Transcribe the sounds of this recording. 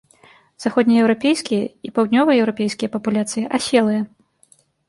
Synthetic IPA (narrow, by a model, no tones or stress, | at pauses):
z̥axɔd̪nʲijɛwɾapʲejskʲijɐipawd̪ʲnʲɔvɨjɐjɛwɾapʲejskʲijɐpɐpulʲat̪sɨjiʔasʲɛlˠɨjɐ